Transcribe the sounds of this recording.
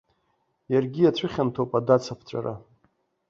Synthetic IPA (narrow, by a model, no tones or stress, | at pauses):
jarɡʲijat͡sʷʰɨχʲantʰowpʼadat͡sʰapʰt͡ɕʷʼa̰ɾa̰